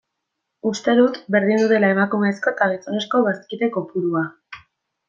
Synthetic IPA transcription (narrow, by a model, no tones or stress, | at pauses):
ust̪e̞ðut̪be̞ɾðind̪uðe̞lae̞makume̞ːsko̞et̪aɣit͡sone̞sko̞βaskiðe̞ko̞puɾua